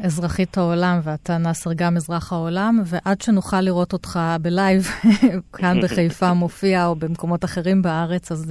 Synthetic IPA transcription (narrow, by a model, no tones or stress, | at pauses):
ezʁaχithaolamveatanaːseʁɡamizʁaχhao̞lamve̞ʔadʃenuχalːiʁo̞to̞tχabelajvkʰanbeχajfamo̞fiaobe̞mko̞mo̞taχe̞ʁimbaaʁe̞t͡saz